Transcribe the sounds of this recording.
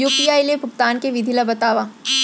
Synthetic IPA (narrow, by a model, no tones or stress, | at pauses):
juːpiaːilepʊk̚t̪aːnkeʋɪd̪ʱilabɐt̪aːʋa